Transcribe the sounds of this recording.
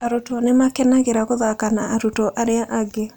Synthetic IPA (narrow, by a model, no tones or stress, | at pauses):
aɾotɔnemakɛnaɣeɾaɣoðakanaaɾutɔʔaɾeaʔaɡe